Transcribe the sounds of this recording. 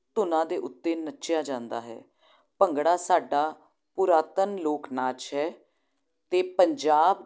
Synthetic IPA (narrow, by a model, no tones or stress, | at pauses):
t̪ʊnãːd̪eːʔʊt̪ːeːnətːʃjaːd͡ʒãːnd̪a̰ːɦɛ̰ː | pəŋɡɽaːsaːɖaː | pʊɾaːt̪ənloːknaːt͡ʃɦɛː | t̪eːpəɲd͡ʒaːb